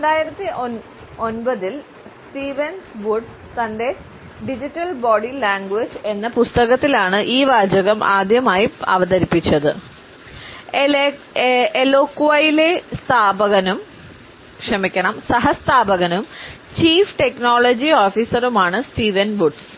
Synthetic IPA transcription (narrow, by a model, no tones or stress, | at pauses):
ɾeɳɖaːjiɾɐt̪ːiʔo | o̞nbɐðil | sʈiːʋɐnsʋuɖs | t̪ɐnde̞ | ɖid͡ʑitːɐlboːɖilaːŋɡʋed͡ʑɨe̞nːɐpust̪ɐɣɐt̪ːilaːɳɨʔiːʋaːd͡ʑɐɣɐmʔa̰ːd̪ʱjɐmaːjiɐ̰ʋɐðɐɾipːit͡ɕːɐðɨ | elokːuʋɐjilest̪ʰaːbɐɣɐnum | kʂɐmikʲːɐɳɐmsɐɦɐst̪ʰaːbɐɣɐnumt͡ɕiːfʈe̞knoːɭɐd͡ʑioːfiːsɐɾumaːɳɨsʈiːʋɐnʋuɖs